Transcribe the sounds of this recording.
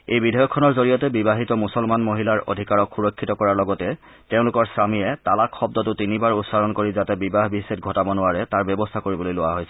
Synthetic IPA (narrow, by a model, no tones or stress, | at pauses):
ejbidʱɔjɔkʰːɔnɔɹzoɹijɔtɛbibaɦitɔmusɔlmanmoɦilaɹo̰dʱikaɹɔkxuɹɔkʰːitɔkɔɹaɹlɔɡɔtɛ | teʊ̃lʊkɔɹsɹamijɛtalakxɔb̚dɔtʊtinibaɹʊtsaɾɔnkoɹizatɛbibaɦbiset̚ɡʱɔtabɔnʊwaɹɛtaɹbjɔbɔstʰakoɹibɔlojlʊwaɦojsɛ